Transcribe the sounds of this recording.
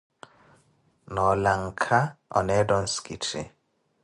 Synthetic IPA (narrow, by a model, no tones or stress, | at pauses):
nɔlaŋ̩kʰaɔ̰nɛdɔn̩skitʰḭ